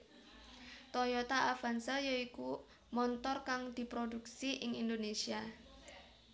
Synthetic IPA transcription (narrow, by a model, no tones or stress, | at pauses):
t̪ɔjɔt̪aʔafansəjoiku | mɔnt̪ɔrkaŋd̪̥i̤pɾoduk̚siʔɪŋind̪onesia